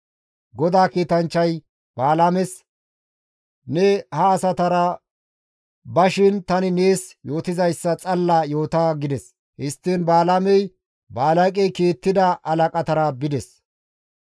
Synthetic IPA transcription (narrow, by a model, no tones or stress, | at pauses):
ɡɔd̪aːkiːt̪ɐnt͡ʃːɐj | b̥aːlamɛs | nɛhɐːsɐt̪ɐɾɐ | bɐʃɪnt̪ɐnɪneːsjo̞ːt̪ɪzɐjsːɐt͡sʼɐlːaːjo̞ːt̪aːɡɪd̪ɛs | hɪst̪ːɪnbaːlamɛj | baːlɐkʼɛjkiːt̪ːɪd̪ɐʔɐlɐkʼɐt̪ɐɾɐbɪd̪ɛs